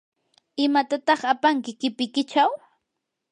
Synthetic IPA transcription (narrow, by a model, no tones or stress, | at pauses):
ɪmat̪at̪ɑχapaŋkɪkɪpɪkɪt͡ʃaw